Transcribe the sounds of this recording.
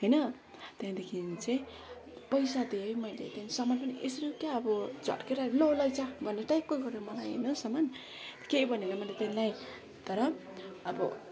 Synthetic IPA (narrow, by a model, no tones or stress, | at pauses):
ɦʌjnʌ | t̪eãd̪ekʰint͡se | pʌjsad̪ejmʌjlḛt̪enisʌmanpʌnʔesɾikaːbɔd͡ʒɔ̰ʈkeɾalolʌjt͡sabʌneʈajkːojɡʌɾemʌnajḛnʌsʌman | kejbʌniɡamanlet̪enilaj | t̪ʌɾʌː | bʌ̰